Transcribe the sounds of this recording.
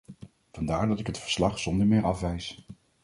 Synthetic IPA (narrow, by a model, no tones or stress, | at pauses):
v̥ɑndaːɹdɑtɪkɦətfə̥ɹslɑχsɔndəɹmɪːɹɑfʋɛjs